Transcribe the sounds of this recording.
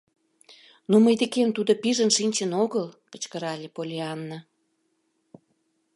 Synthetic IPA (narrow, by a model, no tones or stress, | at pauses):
numəjd̪ekent̪ud̪opiʒənʃinʲt͡ɕə̆noɣəlpə̥̆t͡ɕkəɾɑlʲepolʲiɑnːə